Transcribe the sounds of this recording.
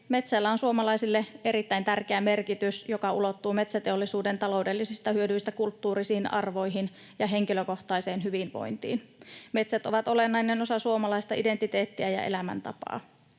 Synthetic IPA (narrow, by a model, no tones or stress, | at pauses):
me̞t̪sælːæonsuomɑlɑisilːeʔe̞ɾit̪ːæint̪ærkeæme̞rkit̪ysjokɑulo̞t̪ːuːme̞t̪sæt̪eolːisuːdent̪ɑlo̞wdelːisist̪ɑhyødyjst̪ækult̪ːuːɾisiːnɑ̰rʋo̞jɦin | jɑɦe̞ŋkiløko̞ht̪ɑiseːnɦyʋinʋo̞̰jnt̪ḭːnme̞t̪sæt̪o̞ʋɑt̪o̞lenːɑinːeno̞sɑsuomɑlɑist̪ɑʔide̞nt̪it̪e̞ːt̪ːiæjɑ̰ḛlæmæ̰nt̪ɑ̰pɑ̰ː